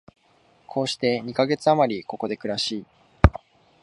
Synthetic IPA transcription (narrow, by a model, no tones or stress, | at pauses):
kʰo̞ːɕi̥t̪e̞ɲ̟ikaɡe̞t͡sɨamaɾʲiko̞ko̞d̪e̞kɯ̟ɾaɕiː